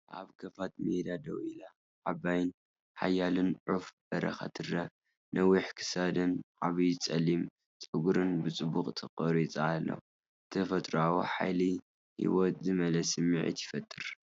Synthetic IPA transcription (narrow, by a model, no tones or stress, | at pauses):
ʔaβkʰɐfat̪med̪ad̪ɐwila | ʕabajn | ħa̰jalɨnʕuf | ɐɾɐ̰xa̰t̪ʰɨrɐ | nʔɐwiħkʰɨ̥sad̪ɨnʕaβijt͡sʼɐlːim | t͡sʼɨɡuɾɨnbɨt͡sʼɨbuqʼt̪ʰɨqʼɨɾit͡sʼaːlːɐ̰w | ɨt̪ʰɐfɐt̪ʼɾawuħa̰jli | hḭwot̪zɨmɐlɐsɨmiʕḭt̪ʰjɪfɐt̪ʼːɨɾ